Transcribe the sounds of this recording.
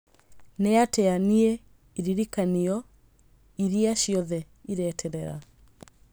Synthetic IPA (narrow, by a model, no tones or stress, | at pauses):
nɛatɛanie | iɾiɾikaniɔ | iɾiaʃiɔðɛ | iɾɛtʰɛɾɛɾa̰